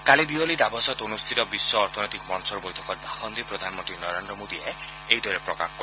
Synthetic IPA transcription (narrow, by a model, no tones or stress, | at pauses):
kaled̪iɔlid̪abɔsɔt̪onust̪ʰit̪ɔbisːɔːɾt̪ʰɔnɔjt̪ikmɔnsɔɾbɔjtʰɔkɔɾbʱaxɔnd̪ʱipɾɔd̪ʱanmɔnt̪ɾinɔɾend̪ɾɔmod̪ie | ejd̪ʱɔɾepɾɔka̰kʰɔkɔ